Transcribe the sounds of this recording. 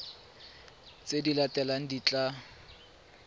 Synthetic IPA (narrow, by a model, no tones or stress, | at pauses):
t͡sʼedilatʼɛlaŋ̩dit͡ɬʼa